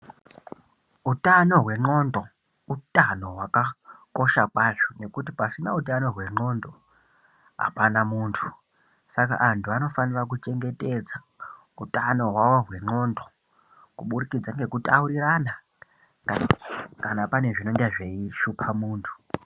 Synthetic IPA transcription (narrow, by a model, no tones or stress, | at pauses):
utano̞ɦwe̞ŋ͡ǃo̞ndo | utʼano̞ɦwakako̞ʃakwaʐone̞kutipasinautano̞ɦwe̞ŋ͡ǃo̞ndo̞ | ɦa̰panamuːntʰu̥ | saka̰ʔantʰuano̞fanirakut͡ʃe̞ŋɡe̞te̞d͡za | utʼano̞ɦwawo̞rwe̞ŋ͡ǃo̞ːndo | kuɓurikid͡zaŋɡe̞kutʼauɾirana | kanapane̞ʐino̞ŋɡeʐe̞iʃupʰamuːntʰu̥